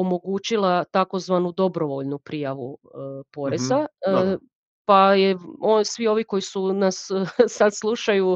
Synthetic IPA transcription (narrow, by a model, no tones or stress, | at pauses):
omo̞ɡuːt͡ʃilˠat̪ako̞zʋanud̪o̞bɾo̞ʋo̞ʎnupɾijaʋupo̞ɾeza | pajeosʋio̞ʋiko̞jisunassad̪slˠuʃaju